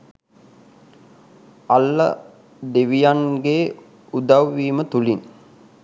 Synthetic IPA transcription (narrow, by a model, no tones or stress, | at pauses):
alːə̰ | d̪eʋijaŋɡe | ud̪awːiːmət̪ulin